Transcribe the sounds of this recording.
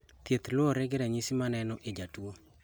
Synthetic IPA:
t̪jet̪lʊɔɾɛɡɪɾɛɲisimanɛnɔʔed͡ʒatuwo

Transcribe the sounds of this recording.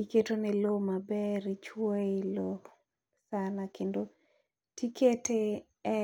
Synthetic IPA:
iketonɛlomabɛɾit͡ʃwoelo | sanakendo | tikete | ɛ

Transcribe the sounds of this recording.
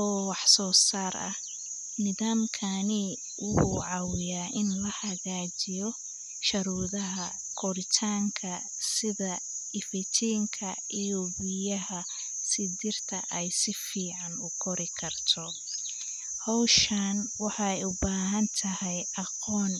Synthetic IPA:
ʔɔːwɑħsɔːsaːrɐ̰h | nɪðaːmkʰɐni | wʊhuʕɑwɪjaːʔɪnlɐhɐɣaːt͡ʃɪjɔ | ʃɐɾuːðɐɦɐ | kʰɔɾɪt̪ʰaːŋkʰɐ | sɪðɐɪfɪt͡ʃʰiːŋkʰɐ | ijɔwʊjɐɦɐ | sɪdɪrt̪ʰɐ̰ʔɛjsɪfiːʕɑnʊkʰɔɾɪkʰɐrt̪ʰɔ | hɔwʃanwɑħɑɛjʊbaːɦɐnt̪ʰɐhɛjʔɑqɔːn

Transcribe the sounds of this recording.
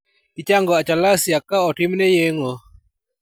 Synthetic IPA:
it͡ʃaŋɡoat͡ʃalasiakaɔʈimnejeŋo

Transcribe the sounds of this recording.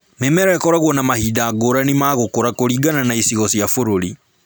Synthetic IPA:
memɛɾɛkɔɾaɣwɔnamahidaːɡoɾanimaɣokoɾakoɾiɡananaisiɣɔsjafoɾoɾi

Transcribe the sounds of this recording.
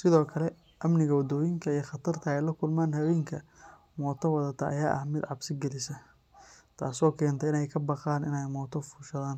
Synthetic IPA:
sɪðɔːkʰɐlɛ | ʔɐmnɪɣɐwɐd̪ɔːjɪŋkʰɐijχɑt̪ʰɐrt̪ʰɐɛjlɐkʰʊlmaːnhɐwɛːŋkʰɐ | mɔːt̪ʰɐwɑðɐt̪ʰɐʔɐjaːʔɐhmɪd̪ʕɑbsɪɡɛlɪsɐ | t̪ʰa̰ːsɔːkʰɛːnt̪ʰɛɪnɛjkʰɐbɑqaːnɪ̰nɛjmɔːt̪ʰɔfʊʃɐðaːn

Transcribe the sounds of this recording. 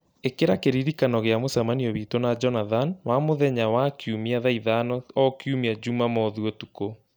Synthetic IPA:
ekeɾakeɾiɾikanɔɣeamosamaniɔβitonad͡ʒɔnaðanwamoðɛɲawakiumiaðaiðanɔɔkjumiad͡ʒumamɔðuɔtuko

